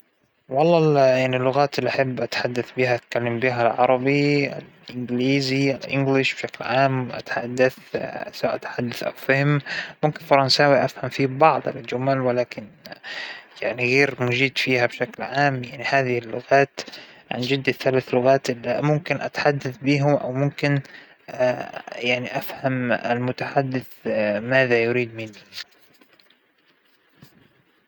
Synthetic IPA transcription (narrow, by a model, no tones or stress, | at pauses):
wɑlˤːɑːjaʕnilːʊɣaːt̪ɪlːiʔaħabːʔat̪ħad̪ːaθbiːhaʔt̪̚kalːɪmbiːɦalʕɑ̰ɾˤɑbiɪ̰lʔɪŋɡliːziɪlʔɪŋɡlɪʃb̥ʃaklʕaːmwʔa̰t̪ħad̪ːaθsawaːʔat̪ħad̪ːaθʔa̰wfahɪmmʊmkɪnfɑɾˤɑnsaːwiʔafhamfiːbɑʕðˤa̰lɪd͡ʒʊmalwɪlaːkɪn | jaʕniɣeːɾmʊd͡ʒiːd̪fiːhabʃaklʕaːmjaʕnihaːðɪhɪlːʊɣaːt̪ʕa̰nd͡ʒɪd̪ːaθalaːθlʊɣaːt̪ʔɪlːimʊmkɪnʔat̪ħad̪ːaθbiːɦʊmʔa̰wmʊmkɪn | jaʕniʔafhamɪ̰lmʊt̪aħad̪ːɪθmaːðajʊɾiːd̪mɪni